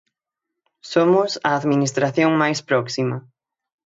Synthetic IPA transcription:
somʊsɐːðminist̪ɾaθjoŋmajspɾɔksimɐ

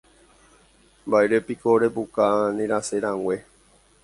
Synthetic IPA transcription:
mbaeɾepikoɾepukanĩɾaseɾãŋʷe̞

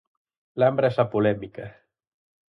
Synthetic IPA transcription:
lambɾaesapulɛmikə

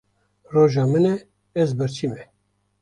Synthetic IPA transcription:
roːʒɑːmɨnɛ | ɛzbɨɾt͡ʃʰiːmɛ

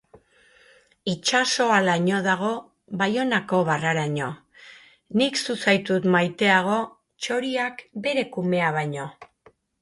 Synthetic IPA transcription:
it͡ʃaso̞alaɲo̞ðaɣ̞o̞ | βajo̞nako̞βaraɾaɲo̞ | niksusajt̪ut̪majt̪e̞aɣ̞o̞ | t͡ʃo̞ɾiakbe̞ɾe̞kume̞aβajɲo̞

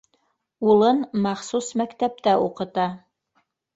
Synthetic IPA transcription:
ulˠɤnmɑχsusmækt̪æp̚t̪æʔuqɤ̆t̪ɑ

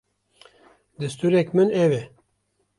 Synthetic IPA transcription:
d̪ɨst̪uːɾɛkmɨnɛvɛ

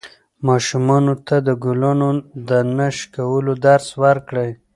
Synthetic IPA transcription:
mɑʃumɑnot̪ad̪əɡulanod̪ənaʃkawəlod̪aɾswaɾkɽəj

